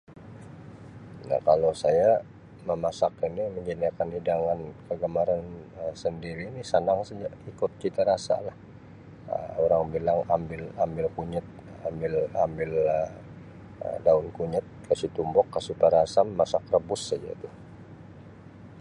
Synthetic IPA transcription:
na̰kalosaja | məmasakiniməɲd͡ʒaniakanhidaŋankəɡəmaɾanəsəndiɾinisənaŋsad͡ʒaikʊt̪̚t͡ʃit̪aɾasa̰lah | ə̰oɾaŋbilaŋambɪlambɪlkuɲət̪̚ | ambɪlambɪlə | ə̰daʊnkuɲət̪̚kasit̪umbɔkːasupaɾasaməmasak̚rəbʊsːad͡ʒat̪u

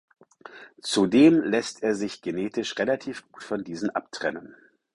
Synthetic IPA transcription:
t͡sudeːmlɛstʰeːɐzɪçɡ̥eneːtʰɪʃʁelatʰiːfɡ̥u̥ːtfɔndiːzn̩ʔa̰ptʁ̥ɛnən

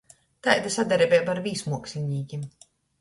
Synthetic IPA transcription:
t̪ajd̪asad̪aɾibʲɛjbaɾvʲiːsmuɔksʲiɲʲiːɡʲim

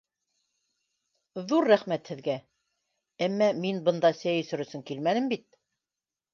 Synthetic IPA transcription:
ðuɾːæχmæt̪hɘ̆ðɡæ | æmːæminbɤ̆nd̪ɑsæjɵ̆sɵ̆ɾɵ̆sɘŋkilmænɘmbit̪̚

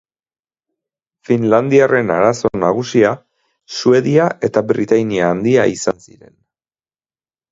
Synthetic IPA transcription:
finland̪iare̞naɾaso̞naɣ̞usia | sue̞ðiaʔe̞t̪abɾit̪ajniaːnd̪iaisansiɾe̞̰n

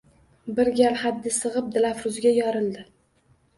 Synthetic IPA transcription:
bɪɾɡʲalhad̪ːɪsɨʁɨp̚d̪ɪlafɾʊzɡʲajɒɾɪld̪ɪ

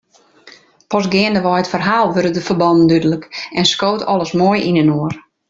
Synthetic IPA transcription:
pɔsɡɪəndəʋɔjətfərɦaːlˠʋøɾədəfəbɔndn̩dydələkɛnskoːtʰɔ̰lˠəsmoəjinənoər

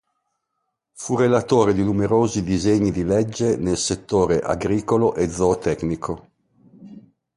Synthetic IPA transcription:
furelat̪oːɾed̪inumeɾoːzid̪izeɲːid̪ilɛd͡ʒːenelset̪ːoːɾeʔa̰ɡɾiːkoloʔed̪zot̪ɛknikʰo

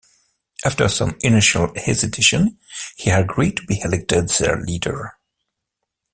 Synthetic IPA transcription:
ʔæftə˞sʌ̰̃mɪnɪʃəlˠhɪzɨdɪʃɨ̃nhiəɡɹid̚tʰubihɛlɛk̚tɨdð̥ə̰˞lidə̰˞

